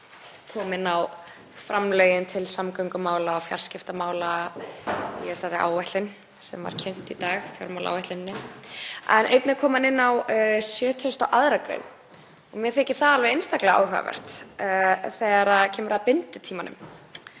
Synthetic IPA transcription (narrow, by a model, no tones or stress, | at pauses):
kʰɔːmɪnːaw | fɾamlœɥjɪnt̪ʰɪlsamkœɥŋkamaːwlaɔfja̰r̥scɪft̪amaːwla | ḭɛsaɾɪʔa̰ːwvɛht̪lɪn | sɛ̰mva̰ɾ̥cʰɛn̥t̪it̪aːɣfjɔ̰ɾmawla̰wɛjht̪ɪnːɪ | ɛ̰nʔejt̪nɪkʰɔːmanɪnːawsjœːt̪ʰœst̪awʔaðɾakɾḛn | ɔmjɛθɛːhcɪθaðalvɛðejnst̪aklaa̰ːwɦœɣa̰vɛ̰r̥t̪ | θɛːɾaðcʰɛːmʏɾapɪnt̪ɪt̪ʰiːmanʏ̰m